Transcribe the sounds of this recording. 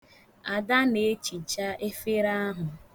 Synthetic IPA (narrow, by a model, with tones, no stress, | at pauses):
a˨da˦ne˨˦t͡ʃi˨t͡ʃa˦ʔe˦fe˦ɾa˦ɦʊ˨